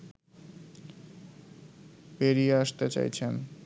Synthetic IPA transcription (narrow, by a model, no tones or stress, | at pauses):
beɾieaʃt̪et͡ɕa̰jt͡ɕʰen